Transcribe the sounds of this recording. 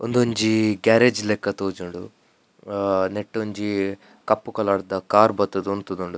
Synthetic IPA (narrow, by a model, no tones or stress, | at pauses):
ond̪oɲd͡ʒiɡaːɾed͡ʒlekːɐt̪oːd͡ʒuɳɖu | neʈːoɲd͡ʒi | kɐpːukɐlaːɽɐd̪ɐkaːɾbɐt̪ːɐd̪uont̪ud̪uɳɖu